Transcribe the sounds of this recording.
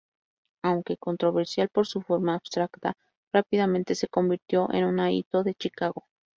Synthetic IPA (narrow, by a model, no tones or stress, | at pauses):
awŋke̞ko̞nt̪ɾo̞βe̞ɾsjalpo̞ɾsufo̞ɾmaːβst̪ɾakt̪a | rapiðamẽnt̪e̞se̞ko̞mbiɾt̪jo̞ʔe̞̰nunaḭt̪o̞ðe̞t͡ʃikaɣo̞